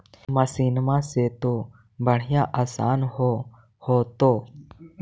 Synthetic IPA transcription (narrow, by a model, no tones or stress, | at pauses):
məsiːnmãːseːt̪oː | bəɽ̤ɪjãːʔaːsaːnɦoː | hoːt̪oː